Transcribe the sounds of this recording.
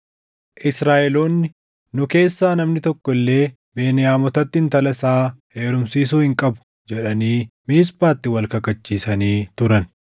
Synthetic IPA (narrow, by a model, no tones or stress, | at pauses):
ʔɪsɾaːʔɛloːnːɪ | nʊke̞ːsːaːnɐmnɪt̪ɔkːɔɪlːe̞ː | be̞ːnɪjaːmɔt̪ɐt̪ːɪɪnt̪ɐlɐsaː | eːɾʊmsiːsuːhɪŋkʼɐbʊ̥ | d͡ʒɛᶑɐniːmiːspaːt̪ːɪwɐlkɐkːɐt͡ʃːiːsɐniːt̪ʊɾɐn